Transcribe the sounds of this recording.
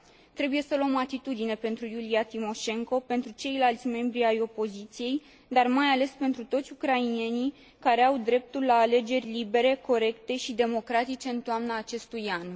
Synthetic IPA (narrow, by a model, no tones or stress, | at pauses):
t̪ɾe̞buje̞səluəmat̪it̪ud̪ine̞pe̞nt̪ɾujuliat̪imo̞ʃe̞ŋko̞pe̞nt̪ɾut͡ʃe̞jlalt̪sʲme̞mbɾiajo̞po̞zit̪sije̞j | d̪armajale̞spent̪ɾut̪o̞t̪sʲukɾainie̞ni | kaɾe̞awd̪ɾe̞p̚t̪ulːaːle̞d͡ʒe̞rʲlibe̞ɾe̞ko̞ɾe̞kt̪e̞ʃid̪e̞mo̞kɾat̪it͡ʃe̞ɨnt̪oamnaːt͡ʃe̞st̪ujan